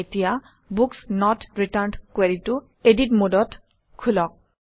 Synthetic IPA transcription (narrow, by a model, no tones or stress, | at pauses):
etija | buksnɔtɹitaɹnkweɹitu | editmodɔt | kʰulɔk̚